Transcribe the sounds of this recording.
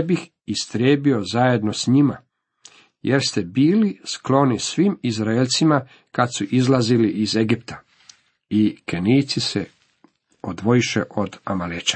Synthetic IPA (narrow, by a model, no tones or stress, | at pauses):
bix | ist̪ɾjeːbio̞zaje̞d̪no̞sɲima | jʔeɾst̪ebiːlisklo̞nisʋiːmizɾaelt̪sima | kad̪suʔizlaziliʔizeɡipt̪ḁ | ikeniːt̪sisḛ | od̪ʋo̞iʃḛʔo̞d̪amalet͡ʃḁ